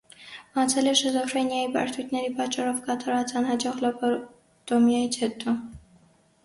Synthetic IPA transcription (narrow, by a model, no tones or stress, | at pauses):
mɑt͡sʰɛlɛʃəzɔfrɛnjɑjibɑ̰ɾt̪ʰujt̪ʰnɛɾipɑt͡ʃːɑɾɔvkɑt̪ɑɾvɑt͡sɑnhɑd͡ʒɔʁlɔpɔ | t̪ɔmjɑjit͡sʰhɛt̪ɔ